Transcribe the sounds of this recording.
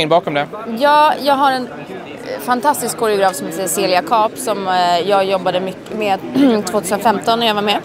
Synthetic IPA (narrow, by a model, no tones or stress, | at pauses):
ɪnbɑːkɔmd̪ɛjɑːjɑːɡɦaɾɛn | fant̪ʰast̪ɪskʰːɔɾɪʊɡɾɑːfsɔmhet̪sɛjəseːlɪakʰɑːpsɔmjɑːɡjɔbːad̪əmʏkːəmeːt̪ʰv̥oːt̪ʰʉːsənfɛmt̪ɔnːæɾjavaɾmɛ